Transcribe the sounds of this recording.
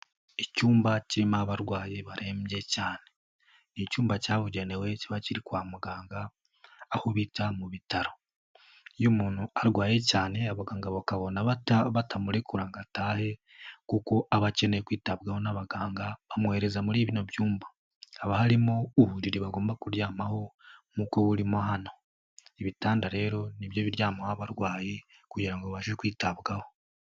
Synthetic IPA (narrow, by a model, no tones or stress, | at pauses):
icuːmbaciɾimaaβaɾɡwaːjeβaɾʔemje̞caːne̞ | nicuːmbacaːβuɟene̞we̞ciβaciɾikwaːmuɡaːŋɡaː | huβitamuβitaɾo̞ | jumuːnhuaɾɡwaːje̞caːne̞aβaɡaːŋɡaβokaβo̞naβataβatʰamuɾekuɾaŋɡataːhe̞ | kuko̞ʔaβace̞ne̞jekwiːtab̚ɡaho̞naβaɡaːŋɡaβamweɾe̞zamuɾiːβino̞bjuːmbḁː | βahaɾimo̞uhuɾiɾiβaɡo̞ːmbakuɾjaːmaho̞mukoβuɾimoɦano̞ | iβitaːndaɾe̞ːɾo̞niβjo̞βiɾjaːmahaβaɾɡwaːje̞ | kuɟiɾaŋɡoββaʃekwiːtabɡaho̞